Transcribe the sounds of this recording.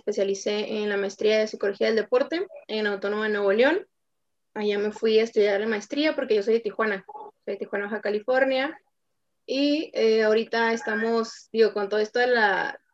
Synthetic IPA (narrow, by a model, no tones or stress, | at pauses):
espe̞sjalise̞ʔenlamaest̪ɾiaðesikolo̞xiaðeld̪e̞po̞ɾt̪e̞enawt̪o̞no̞maðenwe̞βoljon | aʝame̞fwiaest̪uðjaɾlemaest̪ɾiapo̞ɾke̞ʝoso̞jðet̪ixwanasojðet̪ixwanaβaxakalifo̞ɾnja | ieaoɾit̪aest̪amo̞sd̪iɣo̞kont̪o̞ðoest̪oðela